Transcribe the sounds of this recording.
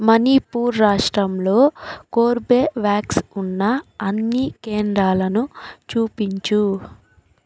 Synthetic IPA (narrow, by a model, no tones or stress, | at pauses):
mɐnipuːɾːaːʂʈɾɐmlo̞ːkoːɾbeːʋjaːksunːɐɐnːikeːnd̪ɾaːlɐnut͡ʃuːpiɲt͡ʃu